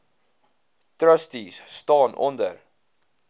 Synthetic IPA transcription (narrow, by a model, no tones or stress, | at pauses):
trəstisːtɑːnʔɔ̰ndər